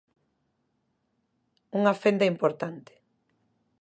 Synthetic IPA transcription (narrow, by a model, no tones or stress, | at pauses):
uŋafend̪ɐimpoɾt̪ant̪ɪ̥